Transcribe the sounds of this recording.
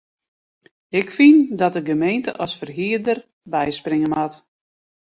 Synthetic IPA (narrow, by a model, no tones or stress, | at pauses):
ɪkfindɔt̚əɡəmejntəʔɔsfərɦiədər | bɛjsprɪŋəmat